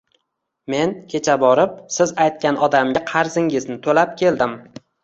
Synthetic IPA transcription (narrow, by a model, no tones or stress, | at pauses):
me̞nkʲʰe̞t͡ʃʰabɒɾɪp̚sɪzajt̪̚kʲanʔɒd̪amɡʲaqʰɑɾzɪŋɪznɪt̪ʰolap̚kʲe̞ld̪ɪm